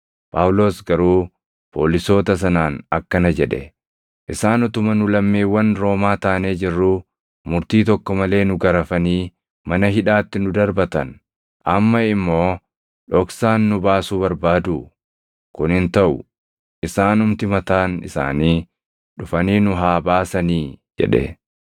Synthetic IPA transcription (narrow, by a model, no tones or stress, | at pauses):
pʰaːwlo̞ːsɡɐɾuː | pʰo̞̰ːlɪso̞ːt̪ɐs̬ɐnaːnɐkːɐnɐd͡ʒɛᶑɛ̰ | ʔɪsaːnʊt̪ʊmɐnʊlɐmːiːwːɐnɾo̞ːmaːt̪aːneːd͡ʒɪrːu | mʊɾt̪iːt̪ɔkːɔmɐle̞ːnʊɡɐɾɐfɐniː | mɐnɐɦɪᶑaːt̪ːɪnʊd̪ɐɾbɐt̪ɐn | ʔɐmːɐɪmːo̞ː | ᶑɔksaːnːʊbaːsuːbɐɾbaːd̪u | kʊnɪnt̪ɐʔʊ | ʔɪsaːnʊmt̪ɪmɐt̪aːnɪsa̰ːniː | ᶑʊfɐniːnʊɦaːbaːsɐniːd͡ʒɛ̰ᶑɛ̰